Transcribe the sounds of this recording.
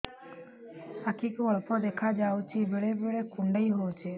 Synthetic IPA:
akʰikɔɭpɔd̪ekʰad͡ʒawt͡ʃʰibeɭebeɭekuɳɖəjɦɔwt͡ʃʰe

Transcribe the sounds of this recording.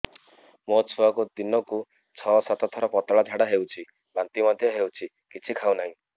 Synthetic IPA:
mot͡ʃʰuakud̪inɔku | t͡ʃʰɔsat̪ɔt̪ʰɔɾɔpɔt̪ɔɭad͡ʒʱaɽaɦewt͡ʃʰi | bant̪imɔd̪ʱjɔɦewt͡ʃʰi | kit͡ʃʰikʰawnaɦĩ

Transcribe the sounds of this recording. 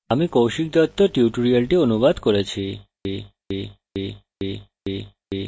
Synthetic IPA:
amikowʃik̚d̪ɔt̪ːoʈiuʈuɾialʈionubad̪ʱkoɾet͡ɕʰi | i | i | i | i | i | i

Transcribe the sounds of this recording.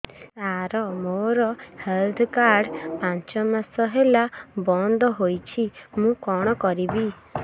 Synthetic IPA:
aɾɔmoɾɔheld̪kaɾɖpãɲt͡ʃɔmasɔɦelabɔnd̪ɔɦojt͡ʃʰimũkɔɽ̃ɔkɔɾibi

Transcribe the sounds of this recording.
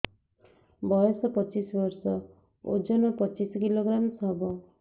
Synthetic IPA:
bɔjɔsɔpʌt͡ʃisbʌɾsɔ | o̰d͡ʒɔnɔpʌt͡ʃiskiloɡɾamsɦbɔ

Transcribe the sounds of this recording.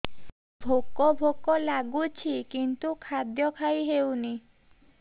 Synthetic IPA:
bʱokɔbʱokɔlaɡut͡ʃʰikint̪ukʰad̪jɔkʰajɦewni

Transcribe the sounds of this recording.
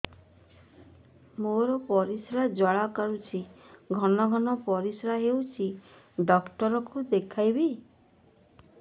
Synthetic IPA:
moɾɔpɔɾisɾad͡ʒɔɭakaɾut͡ʃʰiɡʱɔnɔɡʱɔnɔpɔɾisɾaɦewt͡ʃʰi | ɖɔkʈɔɾɔkud̪ekʰajbi

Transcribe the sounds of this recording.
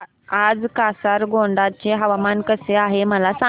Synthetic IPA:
ad͡zkasaɾɡoɳɖat͡ɕeɦəʋamankəseaɦeməlasã

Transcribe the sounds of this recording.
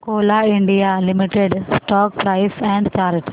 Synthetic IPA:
koːlaiɳɖijalimiʈːeɖsʈɔːk̚pɾɐjsɛ̃ɳɖtaːɾiʈː

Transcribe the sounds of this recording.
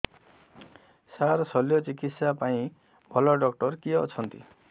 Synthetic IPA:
saɾsɔljɔt͡ʃikit̪sapaĩ | bʱɔlɔɖɔkʈɔɾkiɔ̰t͡ʃʰɔnt̪i

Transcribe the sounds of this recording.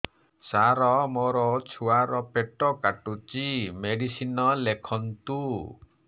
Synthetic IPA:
saɾɔmɔɾɔt͡ʃʰuaɾɔpeʈɔkaʈut͡ʃimeɖisinɔlekʰɔnt̪u

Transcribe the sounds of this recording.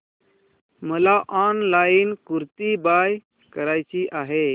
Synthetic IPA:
məlaʔɔnlainkuɾt̪ibaj | kəɾajt͡ɕiʔaɦe

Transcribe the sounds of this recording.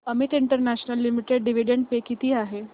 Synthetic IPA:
əmit̪iɳʈəɾnæɕnəlːimiʈeɖɖiʋiɖeɳɖ̚pekit̪iːaɦe

